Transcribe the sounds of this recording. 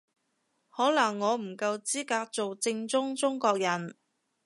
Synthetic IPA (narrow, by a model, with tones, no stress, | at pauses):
hɔː˨˥lɐ˨˩ŋːɔː˨˧m̩˨˩kɐ˧wt͡siː˥kaː˧k̚t͡so˨wt͡sɪ˧ŋt͡sʊ˥ŋt͡sʊ˥ŋkɔː˧k̚jɐ˨˩n